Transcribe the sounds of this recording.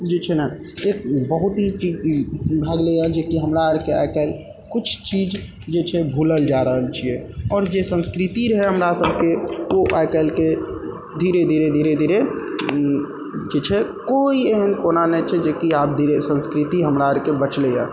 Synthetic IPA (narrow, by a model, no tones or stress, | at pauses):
d͡ʒit͡ʃʰɛnaek̚bəɦut̪ɦit͡ʃid͡ʒbʱaɡlejãd͡ʒekiɦəmɾaəɾkea̰kəl | kʊt͡ʃʰt͡ʃid͡ʒ | d͡ʒet͡ʃʰɛbʱuləld͡ʒaɾəɦəlt͡ʃʰijɛɔːɾd͡ʒesə̃nskɾit̪iɾəɦeɦəmɾasəbʱkeoʔajkəlke | d̪ʱiɾed̪ʱiɾed̪ʱiɾed̪ʱiɾe | d͡ʒet͡ʃʰɛkoieɦənkonanɛt͡ʃʰɛd͡ʒekiap̚d̪ʱiɾesə̃nskɾit̪iɦəmɾaəɾkebət͡ʃleja̰